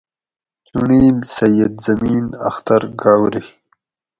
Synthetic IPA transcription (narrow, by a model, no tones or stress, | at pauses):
tuɳiːlsɐjɐd̪zɐmiːna̰xt̪aɾɡaːwɾi